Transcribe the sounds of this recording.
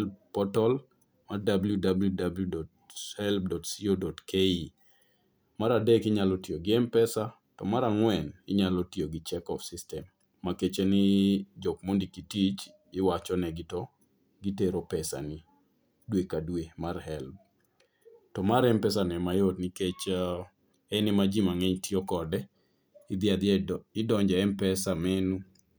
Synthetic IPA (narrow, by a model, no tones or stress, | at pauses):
lpɔtɔl | mardabljudabljudabljudɔt | hɛlb̚dɔtsiodɔtkʰei | maɾadɛkɪɲalɔtioɡɪɛmpɛsa | tɔ̰maɾaŋwɛnɪɲalɔtioɡɪt͡ʃɛkɔfsistɛmː | aket͡ʃenɪd͡ʒɔkmondikitit͡ʃ | ɪwat͡ʃɔnɛɡɪtɔ | ɡiteɾopɛsa̰nɪ | dwekadwemarhɛlb̚ | tɔmaɾɛmpɛsanɛmajotniket͡ʃa | ɛnɪmad͡ʒimaŋɛɲtiokɔdɛ | ɪd̪ɪad̪ɪdɔɲd͡ʒɛɛmpɛsamenu